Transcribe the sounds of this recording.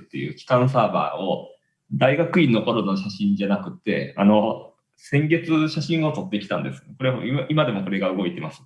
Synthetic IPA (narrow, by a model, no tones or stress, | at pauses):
t̪ːe̞jɯ̟̰ːkʲi̥kãɰ̃s̬aːba̰ːo | d̪aiɡakɯ̟ĩnːo̞ko̞ɾonoɕaɕĩɲd͡ʑanakɯ̟t̪ːe̞̰a̰no̞ | sẽ̞ŋɡe̞t͡sɨɕaɕĩɰ̃o̞t̪o̞t̪ːe̞kʲi̥t̪ã̰nd̪esɨ̥ko̞ɾeiimad̪e̞mo̞ko̞ɾe̞ɡaɯ̟ɡo̞it̪e̞masɨ̥